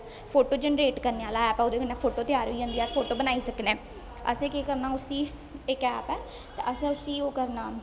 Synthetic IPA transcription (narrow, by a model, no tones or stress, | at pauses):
pʰoːʈoːd͡ʒənɾeːʈkəɾneːaːlaːɛːpɛ̃oːd̪eːkənɛ̃ːpʰoːʈoːt̪ɪjaːɾiːõnd̪iːaːfʰoːʈoːbənaːiːsəknẽː | ə̰sẽːkeːkəɾnaːʊsiː | ɪkɛːpɛː | t̪eːʔəsẽʊsiːoːkəɾnaː